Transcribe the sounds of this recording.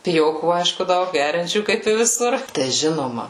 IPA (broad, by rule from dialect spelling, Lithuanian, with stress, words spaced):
pʲɪˈjoːkuː ˈɐɪʃkʊ ˈdɐʊk ˈɡʲæːrʲɛnʲt͡ʃʲuː kɐɪp ɪ ʋʲɪˈsʊr tɐɪ ˈʒʲɪnoːmɐ